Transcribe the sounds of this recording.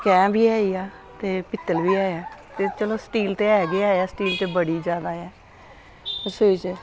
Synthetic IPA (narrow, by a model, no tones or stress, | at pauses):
kɛ̃ːmbʱiːaːiːaː | t̪eːpɪt̪ːəlʋiːaːeaːt̪eːt͡ʃəloːsʈiːlt̪eːɛːɡeaːaːsʈiːlt̪eːbəɽiːd͡ʒjaːd̪aːɛː | ʊsɪt͡ʃ